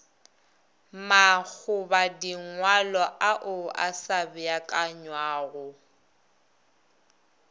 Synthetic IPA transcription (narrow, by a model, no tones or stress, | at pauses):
mak͡xʰʊbadiŋwalɔʔaʔʊʔa̰sabɪjakʼaɲwaːɣʊ